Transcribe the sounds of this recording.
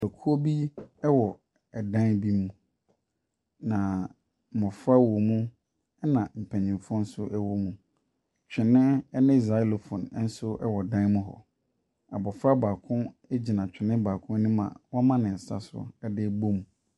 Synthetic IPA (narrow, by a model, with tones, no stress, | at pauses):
ɛ˨kʰu˦o˦bi˦ɛ˦wɔ˨ | ɛ˨dã˦n˦bi˦mũ˦ | nã˨ | mɔ̃˨fɾa˦wɔ˨mũ˦ | ɛ˦nã˨m̩˨pʰæ̃˨ɲĩ˨fɔ̃˦n̩˦sʊ˦ʔɛ˦wɔ˦mũ˨ | t͡ɕᶣɪ˨nɪ̃˦ɛ˦nɪ̃˦i˨za˨˦i˦lo˨fʊ̃˨n˦n̩˦sʊ˦ɛ˦wɔ˨dã˦mʊ̃˦ɦɔ̰˨ | a˨bɔ˨fɾa˦baː˨kʰʊ̃˦ | ɛ˦d͡ʑi˨nã˨t͡ɕᶣɪ˨nɪ̃˦baː˨kʰʊ̃˦nũ˦mã̰˨wɔ̃˦mã˦nɪ̃˨sa̰˦sʊ̰˦ɛ˦dɪ˦bo˦mũ˨